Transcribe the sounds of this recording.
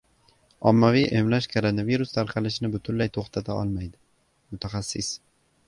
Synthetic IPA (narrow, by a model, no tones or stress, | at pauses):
ɒmːavijʔe̞mlaʃkʰoɾonaviɾʊst̪ʰaɾqʰɑlɪʃɪnɪbʊt̪ʰʊnlajt̪ʰoχt̪ʰat̪ʰaɒ̰lˠmajd̪ɪ | mʊt̪ʰaχasːɪs